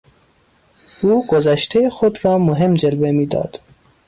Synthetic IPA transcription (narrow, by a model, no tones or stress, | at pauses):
uːɡ̥ozæʃt̪ʰejexod̪ɾɒːmoɦemd͡ʒelbemiːd̪ɒ̰ːd̪̥